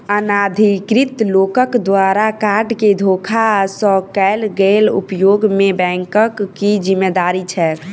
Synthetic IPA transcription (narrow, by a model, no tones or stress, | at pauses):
ənad̪ʱikɾit̪lokəkd̪waɾakaɾɖked̪ʱokʰasə̃kɛlɡelṵpjoɡmebɛ̃ŋkəkːid͡ʒimːed̪aɾit͡ʃʰɛ